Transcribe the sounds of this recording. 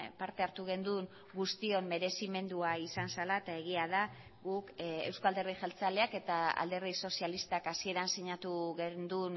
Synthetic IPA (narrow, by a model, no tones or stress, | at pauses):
paɾt̪e̞aɾt̪uɣ̞e̞nd̪un | ɡust̪io̞mme̞ɾe̞sime̞nd̪uaisansalaet̪ae̞ɣ̞iað̞a | ɣukewskald̪e̞riʝalt͡sale̞ake̞t̪aa̰ld̪e̞rðiso̞sialist̪akasie̞ɾansiɲat̪uɣend̪un